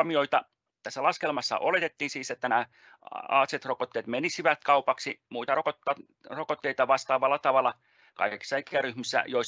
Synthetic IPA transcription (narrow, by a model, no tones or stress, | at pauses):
mioit̪ɑ | t̪æsːælɑskelmɑsːɑ̰ʔolet̪et̪ːiːnsiːset̪ːænæ | ɑ̰ːt̪set̪rokot̪ːeːt̪menisiʋæt̪̚kɑupɑksimuit̪ɑrokot̪ːɑ | rokot̪ːeit̪ɑʋɑst̪ɑːʋɑlːɑt̪ɑʋɑlːˑɑ | kɑ̰iki̥sːɑikeæryhmisːæ̰joi